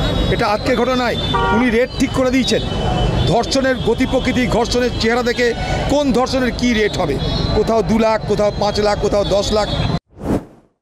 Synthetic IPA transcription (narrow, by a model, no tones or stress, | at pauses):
eʈaad͡ʑkeɡʱɔʈonaeuniɾeʈ̚ʈʰikːoɾed̪ijt͡ɕʰend̪ʱɔɾʃoneɾɡot̪ipɾokɾit̪̬iɡʱɔɾʃoneɾt͡ɕeɦaɾad̪ekekond̪ʱɔɾʃoneɾkiɾeʈɦɔbekot̪ʰaod̪ulakʰːot̪ʰaopãt͡ɕlakːot̪ʰaod̪ɔʃlakʰ